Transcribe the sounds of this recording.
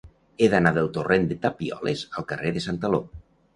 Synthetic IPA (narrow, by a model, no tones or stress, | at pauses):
eðanaðəlˠt̪orend̪et̪apiɔ̰lḛzəlˠkəreðəsant̪alo